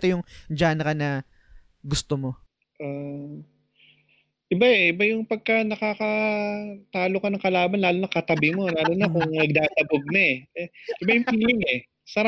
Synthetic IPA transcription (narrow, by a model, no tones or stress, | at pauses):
t̪ojʊŋd͡ʒaːnɐkɐnɐ | ɡʊst̪omo̞ | ʔa | ʔɪbaɛʔɪbajʊŋpɐɡ̚kɐnɐkaːkɐ | t̪aːlokɐnɐŋkɐlaːbɐnlaːlonɐkɐt̪ɐbɪmo̞laːlonɐkʊŋnɐɡ̚d̪aːt̪ɐboɡ̚nɐɛʔɛʔɪbajʊŋpiːlɪŋɛ | sɐɾa